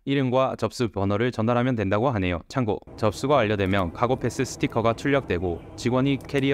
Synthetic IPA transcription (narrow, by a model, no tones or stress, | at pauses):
iɾɯmɡwat͡ɕʌp̚s͈upjʌnʌɾɯɭt͡ɕʌndaɾɦamjʌndwe̞ndaɡoɦane̞jot͡ɕʰaŋɡot͡ɕʌp̚s͈uɡaːʎːʌdwe̞mjʌnkʰaɡopʰe̞s͈ɯsʰɯ̥tʰikʰʌɡat͡ɕʰuɭːʌk̚t͈we̞ɡo | t͡ɕiɡwʌɲikʰe̞ɾi